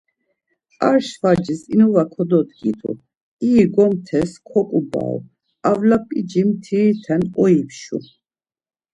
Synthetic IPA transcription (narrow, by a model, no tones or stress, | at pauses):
aɾʃvad͡ʒisinuvakʰɔd̪ɔt̪ɡit̪ʰṵ | iːɡɔmt̪ʰɛskʰɔkʼuba̰ɔ̰ | avlapʼid͡ʒimt̪ʰit̪ʰɛnɔipʰʃṵ